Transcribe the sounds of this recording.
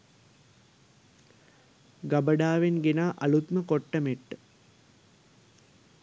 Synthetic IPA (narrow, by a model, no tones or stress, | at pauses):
ɡɐbəɖaːʋenɡenaːʔɐlut̪məkoʈːɐmeʈːə